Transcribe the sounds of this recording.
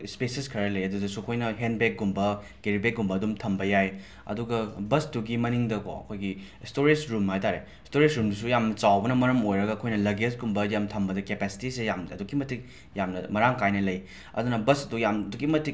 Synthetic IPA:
spesiskʰɐɾɐlɐjɐdudɐsukʰojnɐɦenbek̚ɡumbɐ | ɡeɾibek̚ɡumbɐːdumtʰɐmbɐjaj | ɐ̰duɡɐbɐsduɡimɐniŋdɐko̰ɐ̰kʰojɡistoɾid͡ʒɾumhajtaɾe | stoɾesɾumdus̬ujamnɐt͡ʃawbɐnɐmɐɾɐmojɾɐɡɐːkʰojnɐlɐɡesɡumbɐjamtʰɐmbɐdɐkepɛsi̥tisejamɐdukːimɐtʰik̚ | jamnɐmɐɾaŋkajnɐlɐj | ɐ̰dunɐbɐsɐdujamdukːimɐtʰik̚

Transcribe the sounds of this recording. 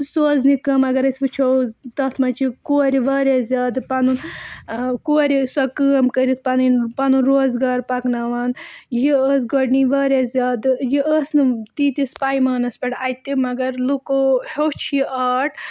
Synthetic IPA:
soːznikɐmɐɡɐɾɐsʲʋɨt͡ʃʰowt̪ɐt̪ʰmɐt͡ʃʰikoːɾiʋaːɾʲazʲjaːd̪ɨpɐnun | koːɾisɐkəːɐmkəɾit̪̚ʰpɐninpɐnunɾoːzɡaːɾpɐknɐʋɐːnjiəːsɡɔɖniʋaːɾʲazʲjaːd̪ɨjiʔəːsnɨt̪iːt̪ispɐjmɐːnɐspʲɐʈɐjt̪ːimɐɡɐɾlukohot͡ʃʰiʔaːʈʰ

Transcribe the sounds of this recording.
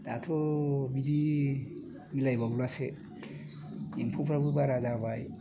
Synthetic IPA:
d̥atʰobidi | milajbaɡulase | impʰupʰɾabubaɾazaβaj

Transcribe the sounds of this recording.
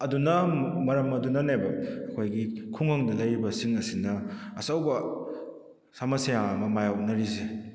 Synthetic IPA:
ɐdunɐmɐɾɐmɐdunanebɐːkʰojɡikʰuŋaŋdɐlajɾibɐsiŋɐsinɐːsawbɐ | samɐsajaŋɐmɐmajaw̚nɐɾize

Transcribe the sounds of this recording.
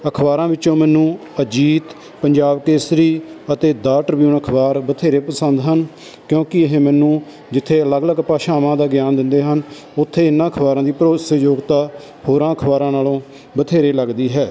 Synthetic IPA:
əkʰbaːɾãːʋɪt͡ʃõːmɛːnũːəd͡ʒiːt̪ | pəɲd͡ʒaːbkeːsɾiːət̪eːd̪aːʈəɾbjuːnəkʰbaːɾbət̪ʰeːɾeːpəsənd̪ɦən | kjõːkɪəɦẽːmɛːnũː | d͡ʒɪt̪ʰːeːələɡləɡpaːʃaːʋãːd̪aːɡjaːnd̪ɪnd̪eːɦən | ʊt̪ʰːeːɪnːãːəkʰbaːɾãːd̪iːpɾoːsəjoːɡt̪aː | hoːɾãːəkʰbaːɾãːnaːlõː | bət̪ʰeːɾeːləɡd̪iːɦɛː

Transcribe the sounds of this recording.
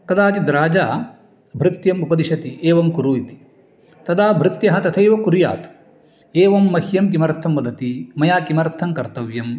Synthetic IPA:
k̪ɐd̪aːt̪id̪ɾaːd͡ʒaː | bʱɾɪt̪jɐmupɐd̪iʃɐt̪iʔeːʋɐmkuɾuːjit̪i̥ | t̪ɐd̪aːbʱɾɪt̪jɐɦɐt̪ɐt̪ʰɐjʋɐkuɾja̰ːt̪ | eːʋɐmːɐhjɐmkimɐɾt̪ʰɐmːɐd̪ɐt̪imɐjaːkimɐɾt̪ʰɐmkɐɾt̪ɐʋjɐm

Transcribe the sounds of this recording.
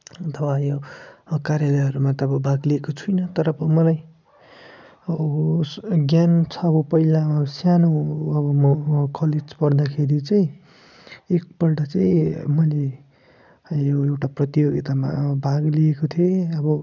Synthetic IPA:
t̪ʰʌwajokaɾjalʌjɦʌɾumat̪ʌʌbʌbʱaɡliekot͡sʰujnʌt̪ʌɾʌːbʌmʌlaj | ʌ | ɡjant͡sʰʌːbʌpʌilamsjanoʌbʌmʌkʌled͡zpʌrd̪akʰeɾit͡saj̃ | ek̚pʌlɖʌt͡saĩmʌjle | joewʈaprʌt̪ijoɡit̪ama̰bʱaɡliekot̪ʰioʌbʌ

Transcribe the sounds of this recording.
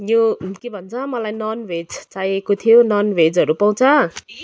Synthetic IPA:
jokebʱʌnt͡sʰʌmʌlajnʌnwed͡zt͡sajekot̪ʰijonʌnwed͡zɦʌɾupaw̃t͡sʰʌ

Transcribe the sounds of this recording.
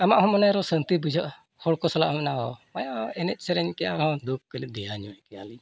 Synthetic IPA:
amaʔhɔ̃mɔnɛɾɔsənt̪ibid͡ʒʱɔʔ | hɔɽkɔsɔla̰ʔɔmɛnaɔmajaʔɛnɛc̪̚ˀsɛɾɛɲkɛjaɾhɔ̃d̪uk̚kəlid̪ɛjaɲɔɛkɛjali

